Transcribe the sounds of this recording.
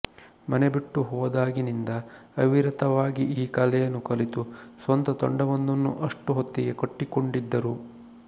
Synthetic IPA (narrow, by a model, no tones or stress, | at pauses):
mɐnebiʈːuɦɔːd̪aːɡinind̪ɐɐʋiɾɐt̪ɐʋaːɡiʔiːkɐlɛjɐnːukɐlit̪usʋɐnt̪ɐt̪o̰ɳɖɐʋɐnd̪ɐnːṵʔɐʂʈuɦot̪ːiɡe̞koʈːikoɳɖid̪ːɐɾu